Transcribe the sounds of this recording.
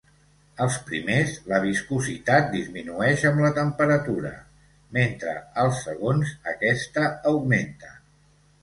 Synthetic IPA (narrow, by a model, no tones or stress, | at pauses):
əlˠspɾḭmezləβiskuzit̪at̪̚d̪izminuɛʃəmlət̪əmpəɾət̪uɾə̰ | ment̪ɾə̰əlˠsːəɣ̞onzəkɛst̪əːwment̪ə